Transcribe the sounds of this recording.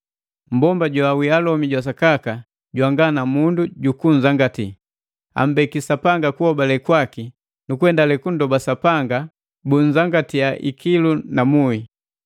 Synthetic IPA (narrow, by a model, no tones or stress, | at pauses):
m̩bɔmbaɟwawialɔmiɟwas̬akaka | ɟwaŋɡanamunduɟukuɲ̩zaŋɡati | a̰m̩bɛkisapaŋɡakuhɔbalɛkwaki | nukɛndalɛkundɔbasapaŋɡa | buɲd͡ʒaŋɡatijaʔḭkilunamui